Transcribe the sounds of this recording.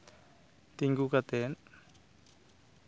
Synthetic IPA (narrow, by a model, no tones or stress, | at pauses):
t̪iŋɡukat̪ɛn